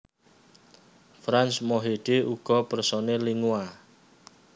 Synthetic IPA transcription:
fɾansmoɦeɖ̥euɡ̥ɔ̤pərsɔneliŋua

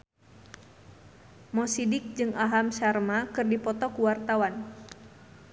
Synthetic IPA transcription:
mɔsidɪk̚d͡ʒɨŋʔaɦamʃarmakɨrdipɔt̪ɔkuwart̪awan

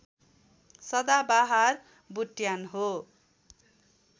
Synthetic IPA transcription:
sʌd̪abaɦar | buʈjanɦo

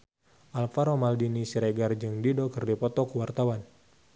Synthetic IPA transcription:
ʔalfaɾomaldinisiɾeɡard͡ʒɨŋdidokɨrdipɔt̪ɔkuwart̪awan

